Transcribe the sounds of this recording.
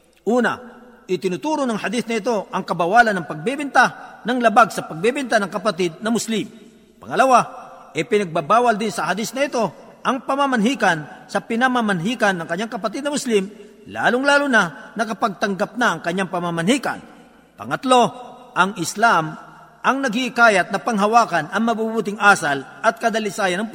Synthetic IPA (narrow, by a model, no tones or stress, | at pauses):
ʔuːna̰ | ʔɪt̪ɪnʊt̪uːɾonɐŋhɐd̪ɪθnɐɪt̪̬o̞ʔɐŋkɐbɐwaːlɐnːɐŋpɐɡ̚bɛbɪnt̪anɐŋlɐbaɡsɐpɐɡ̚bɛbɛnt̪anɐŋkɐpat̪ɪd̪̚nɐmʊslɪm | pɐ̰ŋɐlɐwaʔɛpɪnɐɡ̚babaːwɐld̪ɪnsɐɦad̪ɪsnɐɪt̪o̞ | ʔɐŋpɐmamɐnɦiːkɐnsɐpɪnɐmamɐnɦiːkɐnːɐŋkɐɲːaŋkɐpɐt̪ɪd̪nɐmʊslɪm | la̰ːlʊŋlaːlʊnanɐkɐpɐɡ̚t̪ɐŋɡap̚nɐʔːŋkɐɲːaŋpɐmamɐnhiːkɐ̰n | pɐ̰ŋɐt̪lo̞ʔɐŋɪslam | ʔɐŋnɐɡɪʔɪkaːjɐt̪̚nɐpɐŋɦɐwaːkɐnʔɐŋmɐbubuːt̪ɪŋʔaːsɐlʔɐt̪̚kɐd̪ɐlɪsaːjɐnɐŋp